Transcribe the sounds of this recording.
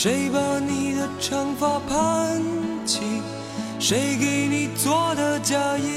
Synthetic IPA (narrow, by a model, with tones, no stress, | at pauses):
ʂe˧˥ɪba˧ni˨˩d̪ə˧ʈ͡ʂʰɑ˧˥ŋfa˧˩pʰa˥˦n | t͡ɕʰi˧˩ | ʂe˧˥ɪke˧˩ɪni˨˩t͡swɔ˥˩d̪ə˧t͡ɕja˧jɛ˧